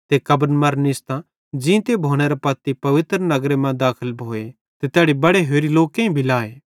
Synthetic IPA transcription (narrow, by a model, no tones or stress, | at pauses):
t̪ekɐbənmɐɾnɪst̪ã | d͡ʒĩt̪ebʱoːɽ̃eɾapɐt̪ːipɐʋɪt̪ɾnɐɡɾemɛ̃d̪aːkʰəlbʱoːe | t̪et̪ɛːɽibɐɽeɦeːɾiloːkẽĩbʱilaːeː